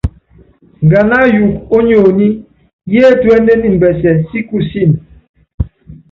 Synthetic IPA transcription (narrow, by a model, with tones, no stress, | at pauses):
ŋ˨ɡa˨na˦ju˨k̚o˦ɲo˨ni˦ | je˦twɛ˦nde˦ni˨m̩˨bɛ˨sɛ˨si˦ku˦si˦˨n